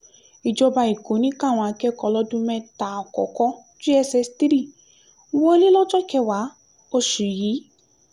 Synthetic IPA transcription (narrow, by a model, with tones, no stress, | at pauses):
i˨d͡ʒɔ˧ba˧i˨ko˨˦nĩ˦ka˦˨w̃ɔ̃˧a˧kɛ˦kɔ˧lɔ˧˦dũ˦mɛ̃˧ta˨ɔ˨kɔ̰˨kɔ˧˦ | d͡ʒu˦ɛ˧sɛ˧sti˦ɾi˦˨˦ | wɔ˦e˦le˦lɔ˦d͡ʒɔ˦kɛ˧wa˨˦ | o˦˧ʃu˨ji˨˦